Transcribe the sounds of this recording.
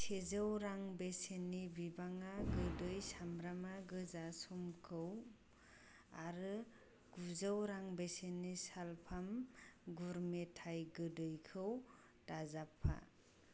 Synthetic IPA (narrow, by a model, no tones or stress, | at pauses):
sʰezawɾaŋbesenibibaŋaɡɯdɯjsamɾamaɡɯzasɔmkʰɯw | aɾɯ | ɡ̥uzawɾaŋbesenisalpʰamɡuɾmetʰajɡɯdɯjkʰɯw | tazapʰːa̰